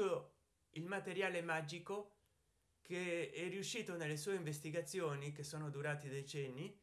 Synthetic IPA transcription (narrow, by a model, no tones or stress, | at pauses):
o | ilmat̪eɾjaːlemad͡ʒiko | kʰeɛrːiuʃːiːt̪onelːesuːeiɱvest̪iɡat̪sːjoːnikesːoːnod̪uɾaːt̪id̪et͡ʃɛnːi